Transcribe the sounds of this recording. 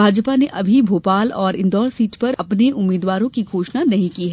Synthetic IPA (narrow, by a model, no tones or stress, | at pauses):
bʱaːd͡ʒpaneʔɐbʱibʱoːpaːlɔːɾɪ̃nd̪ɔːɾsiːʈpɐɾɐpneʔʊmːiːd̪ʋaːɾõkiɡʱoːʃnanɐɦĩkiɦɛ